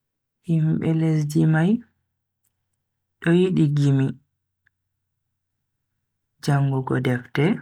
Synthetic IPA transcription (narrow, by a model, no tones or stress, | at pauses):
himɓɛlesd͡ʒimaj | ɗɔjiɗiɡimi | d͡ʒaŋɡuɡɔdɛftɛ